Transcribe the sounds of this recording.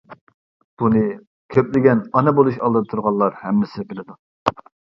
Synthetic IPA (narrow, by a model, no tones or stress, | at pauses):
b̥unɨ | kʲʰøplɪɡʲɛnɑnɛbolˠuʃɑlˠd̪ɨt̪ʰuɾʁɑlˠːɑɾhɛmːɪsɪbɪlɪd̪u